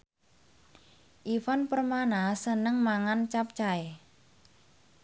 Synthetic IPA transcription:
ʔifanpərmanasənəŋmaŋant͡ʃap̚t͡ʃae

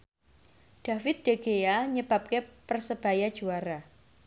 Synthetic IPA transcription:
ɖ̥a̤fɪt̪̚d̥eɡ̥ejaɲəb̥ap̚kepərsəb̥ajad̥d͡ʒuaɾa

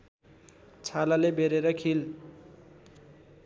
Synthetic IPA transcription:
t͡sʰalalebeɾeɾʌkʰil

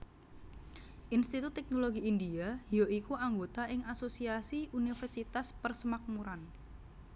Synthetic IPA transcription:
ʔinst̪it̪ut̪ːɛk̚noloɡiindiajoikuʔaŋɡot̪aʔɪŋasosiasiunifɛrsit̪aspərsəmak̚muɾan

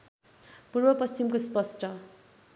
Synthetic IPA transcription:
purbʌpʌst͡ɕimkospʌsʈʌ

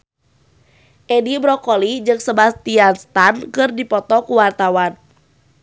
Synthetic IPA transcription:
ʔɛdibɾɔkɔlid͡ʒɨŋsəbast̪ianst̪ankɨrdipɔt̪ɔkuwart̪awan

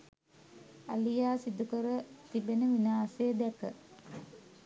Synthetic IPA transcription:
alijaːsid̪ukəɾət̪ibenəʋinaːsejəd̪ækə

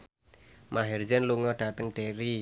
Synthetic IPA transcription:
mʔaɦɛrd͡ʒɛnluŋɔɖ̥a̤t̪əŋɖ̥eɾi

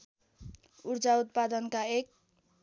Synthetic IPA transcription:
urd͡zaut̪̚pad̪ʌnkaek̚

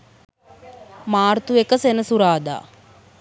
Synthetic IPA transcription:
maːrt̪uekəsenəsuɾaːd̪a̰ː

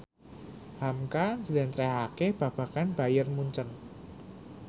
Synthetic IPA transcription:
hamkasədɛnt̪ɾɛɦakeb̥a̤b̥a̤kanb̥a̤jərmuɲt͡ʃən

